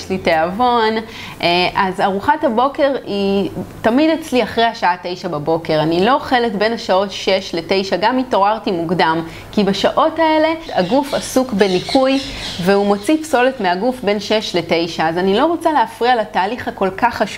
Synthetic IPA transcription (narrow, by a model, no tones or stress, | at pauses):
jʃliteavo̞n | ʔeʔazaʁuχathabo̞ke̞ʁitamidet͡sliaχʁejhaʃaate̞jʃababo̞ke̞ʁanilo̞ːχeletbe̞naʃao̞tʃe̞ʃle̞te̞jʃaɡamito̞ʁaʁtimuɡdam | kibaʃaʔo̞tae̞le̞aɡufasukbe̞nikʰujveumo̞t͡sipso̞le̞tmeaɡufbe̞nʃe̞ʃle̞te̞jʃaːzanilo̞ʁo̞t͡saleafʁialataːliχhako̞lkaχːaʃu